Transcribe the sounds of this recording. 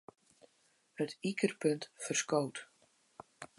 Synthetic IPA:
hətikərpɵntfərskoːt

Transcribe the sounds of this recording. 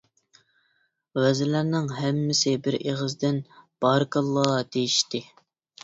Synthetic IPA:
wɛzɪlæɾnɪŋɦɛmːɪsɪbɪɾʔeʁəzd̪ɪnb̥ɑɾkʰɑlˠːɑːd̪ejiʃt̪ɪ

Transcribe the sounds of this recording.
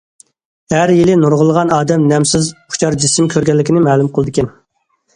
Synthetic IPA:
hæɾjilɪnuɾʁʊlˠəʁɑnɑːd̪ɛmnɛmsɪzχt͡ʃʰɑɾd͡ʒisɪmkʲʰøɾɡʲɛnlːɪkʲʰinɪmɛːlˠumqəlˠɨd̪ɨkʲɛn

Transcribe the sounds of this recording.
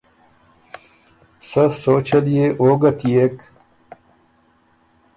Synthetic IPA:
sɐsoːt͡ɕʰɐlijeʔoːɡɐt̪ijek

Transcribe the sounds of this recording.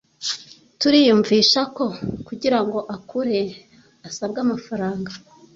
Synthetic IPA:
tuɾiːjuːɱviːʃako̞kuɟiɾaŋɡo̞ʔakʰuɾe̞ | asab̚ɡamafaɾaːŋɡa

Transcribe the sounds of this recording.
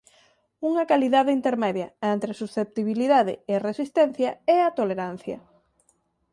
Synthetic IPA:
uŋɐkaliðaðeint̪eɾmɛðjɐent̪ɾesusθep̚t̪iβiliðaðɪɪresist̪ɛn̟θjɐɛat̪oleɾan̟θjɐ̰

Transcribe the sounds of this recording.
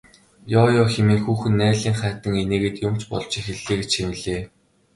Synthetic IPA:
jɔːjɔːxemiːŋxuːxɘ̆nːæːɮiːŋχæːt̪ə̆ŋeneːɣĕːt̪jʊm̥t͡ɕpɔ̰ɮt͡ɕexɘ̆ɮːeːɣɡet͡ɕxemɘ̆ɮeː

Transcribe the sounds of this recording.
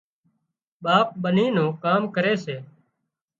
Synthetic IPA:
ɓaːp̚ɓəniːnũːkaːmkəɾeːseː

